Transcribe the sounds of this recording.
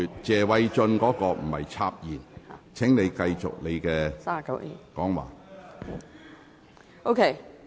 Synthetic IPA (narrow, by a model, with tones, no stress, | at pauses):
yː˨t̚t͡sɛː˨wɐ˨˥jt͡ʃɵ˧nkɔː˨˥kɔː˧m̩˨˩hɐ̰˨jt͡sʰaː˧p̚jiː˨˩nt͡sʰɪ˨˥ŋne˨˧jkɐ˧jt͡ʃʊ̰˨k̚le˨˧jkɛː˧˥˨kɐ˨˦˨kɔː˨˥ŋwa̰ː˨ | ʔo˧kʰe˥